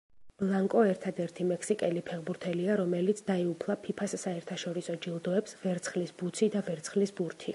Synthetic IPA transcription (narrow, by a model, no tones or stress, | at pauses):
b̥lˠaŋkʼɔɛɾt̪ʰad̪ɛɾt̪ʰimɛksikʼɛlipʰɛʁbuɾt̪ʰɛliaɾɔmɛlit̪sʰd̪aiupʰlˠapʰipʰassaɛɾt̪ʰaʃɔɾisɔd͡ʒilˠd̪ɔɛpsvɛɾt̪sʰχlisbut̪sʰid̪avɛɾt̪sʰχlisbuɾt̪ʰi